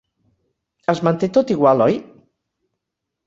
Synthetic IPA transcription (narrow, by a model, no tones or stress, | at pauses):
əzmənt̪et̪ot̪iɣwalɔj